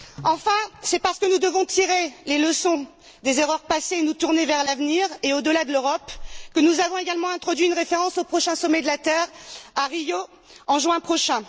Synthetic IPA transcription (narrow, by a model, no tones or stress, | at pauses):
ɑ̃fɛ̃sɛpaʁsə̥kənud̪əvɔ̃t̪iʁeleləsɔ̃ | d̪ezeʁœʁpaseːnut̪uʁnevɛʁlavniʁeod̪əlad̪əløʁɔpkənuzavɔ̃eɡalmɑ̃ɛ̃t̪χɔd̪ɥiynʁefeʁɑ̃sopχɔʃɛ̃sɔmɛd̪əlat̪ɛʁaʁijo | ɑ̃ʒɥɛ̃pχɔʃɛ̃